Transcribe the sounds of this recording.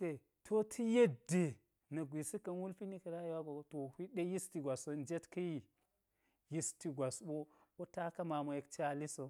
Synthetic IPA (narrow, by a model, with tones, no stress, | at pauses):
ke˨ | tʰo˦tʰi˦je˦de˨ | nɐ˨ɡʷi˨si˦kɐ˨nwu˦lfi˦ni˦kɐ˨ɾa˦jwa˦ɡo˨to˨hi˦ɗe˦ji˦sti˨ɡʷa˨so˨n˦d͡ʒe˦tkɐ˦ji˦ | ji˦sti˨ɡʷa˨sɓo˦ko˦ta˦kɐ˦ma˨mo˨je˨kt͡ʃa˦li˦so˨